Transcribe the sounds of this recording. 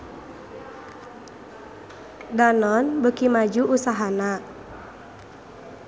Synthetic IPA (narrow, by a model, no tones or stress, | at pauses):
danɔnbəkimad͡ʒuʔusaɦana